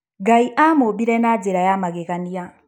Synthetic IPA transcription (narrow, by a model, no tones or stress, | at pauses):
ɡaiʔamobiɾɛnad͡zɛɾajamakɛkania